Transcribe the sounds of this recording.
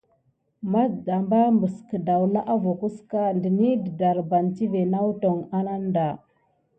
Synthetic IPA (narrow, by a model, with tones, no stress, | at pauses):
ma˦da˨mba˦mbə˨skə˨da˨wla˦ʔa˦vo˨ku˦ska˦ndə˨ni˦də˨da˨ɾba˨nti˦ve˨na˦wto˨ŋa˦na˦nda˨